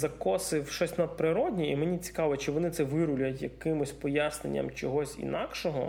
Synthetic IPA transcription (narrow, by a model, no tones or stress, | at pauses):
zɐkɔsɪwʃɔsʲnɐd̪̚pɾɪɾɔdʲnʲiimenʲit͡sʲi̥kɑʋɔt͡ʃɪʋɔnɪt̪sɛʋɪɾʊlʲɐtʲjɐkɪmʊsʲpɔjasnḛnʲːɐ̰mt͡ʃɔɦɔsʲḭnɑkʃɔɦɔ̰